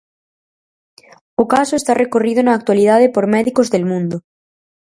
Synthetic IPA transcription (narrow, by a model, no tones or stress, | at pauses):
okasoest̪arekorið̞onaːk̚t̪waliðað̞epoɾmɛðikozðelmũnd̪o